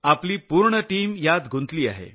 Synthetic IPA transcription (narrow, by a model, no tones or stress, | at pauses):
apliːpuɾɳəʈiːmjad̪ɡʱunt̪liːa̰ɦḛ